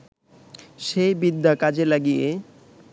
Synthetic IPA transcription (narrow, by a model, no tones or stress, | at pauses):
ʃejbid̪ːakad͡ʑelaɡije